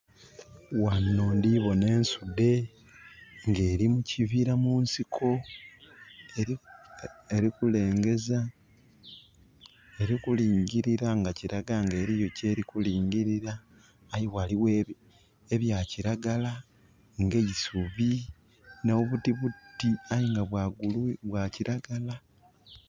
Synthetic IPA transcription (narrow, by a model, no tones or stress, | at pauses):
wanːoːndiβo̞ne̞ːnsude̞ | ŋɡe̞ːɾimuciviɾamuːnsikʰo̞ | e | eɾikule̞ːŋɡe̞za | eɾikuliːɲɟiɾiɾaŋɡaciɾaɡaŋɡe̞ːɾijo̞ce̞ːɾikuliːɲɟiɾiɾaː | jiwaliwe | eβjaciɾaɡala | ŋɡe̞jisuβi | naoβutiβutiajiŋɡaβwaɡuluβwaciɾaɡala